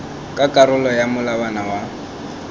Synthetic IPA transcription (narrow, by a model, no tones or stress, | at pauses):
kʼakʼaɾʊlɔjamʊlabanawa